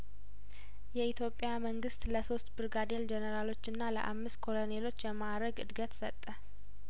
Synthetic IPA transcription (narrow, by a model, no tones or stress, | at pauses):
jɛit̪jo̞pʼːjaməŋɡɨst̪ləso̞st̪bɨɾɡad̪eld͡ʒɛnəɾalo̞t͡ʃːɨnːalə̰ʔa̰mːɨst̪̚kʰo̞lo̞nelo̞t͡ʃːjɛmaɾəɡɨ̰d̪ɡət̪sət̪ʼːə